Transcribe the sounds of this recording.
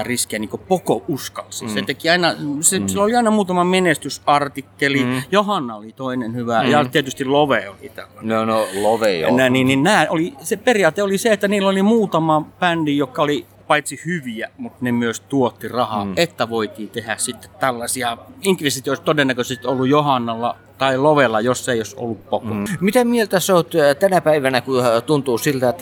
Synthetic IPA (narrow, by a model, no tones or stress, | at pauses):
riskiæniːŋkopokoʔuskɑlsiset̪ekiɑinɑsesilːoliɑinɑmuːt̪ɑmɑmenest̪ysɑrt̪ikːelijohɑnːɑolit̪oinenhyʋæjɑt̪iet̪yst̪illoʋeo̰lḭt̪æ̰lːɑnoloʋenæniːnninnæːʔoliseperijɑːt̪eoliseet̪ːæniːlːolimuːt̪ɑmɑpændijjokːɑoli | pɑit̪sihyʋiæmut̪nemyøst̪uot̪ːirɑhɑ̰ʔet̪ːæʋoit̪iːt̪ehæssit̪ːe̥t̪t̪ælːɑsiɑiŋkʋesit̪ioˑst̪odenːækøsest̪iolːujjohɑnːɑlːɑ̰ | t̪ɑiloʋelːɑjosːeˑioso̰lːuppokomit̪æmielt̪æsot̪t̪ænæpæiʋænækut̪unt̪uːsilt̪æet̪ːæ